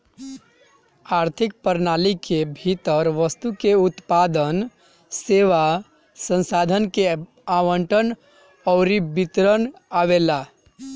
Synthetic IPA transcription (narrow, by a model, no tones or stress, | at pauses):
aɾt̪ʰikpəɾnalikebʱit̪əɾʋəst̪ukeut̪pad̪ən | seʋa | sə̃nsad̪ʱənke | aʋəɳʈən | ɔʊɾibit̪ɾənaʋela